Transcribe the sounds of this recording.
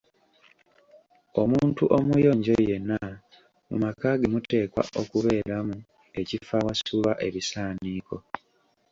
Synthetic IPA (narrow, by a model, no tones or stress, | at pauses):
o̞muːntuʔo̞mujo̞ːɲɟoje̞nːa | mṵmakaːɡemute̞ːkwa̰ʔo̞kuβe̞ːɾamu | e̞cifawasuβaʔe̞βisaːniːkʰo̞